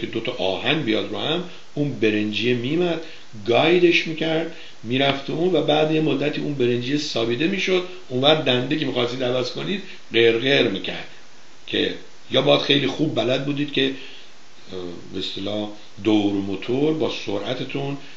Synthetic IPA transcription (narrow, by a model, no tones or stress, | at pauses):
ed̪ot̪ʰɒʔɒːhænbijɒːd̪ɾohæm | uːnbe̞ɾend͡ʒijemiːmæd̪̥ | ɡɒjd̪e̞ʃmiːcʰæɾd̪ | miːɾæft̪ʰeuːnvæbæːd̪jemod̪ːæt̪ʰiːunbe̞ɾe̞nd͡ʒijesɒːbiːd̪e̞miːʃo̞d̪ | unvæɾ̚d̪ænd̪ecʰemiːxɒst̪iːd̪ævæːsko̞niːd̪̚ | ɢeɾɣeɾmiːcʰæ̰ɾd̪̥ | cʲʰe̞̰ | jɒːbɒːd̪xe̞jlixubːælæd̪̚buːd̪iːd̪̥̚cʲʰe̞ | best̪elɒː | d̪owɾmot̪ʰoɾbɒːso̰ɾʔæt̪ʰet̪ʰun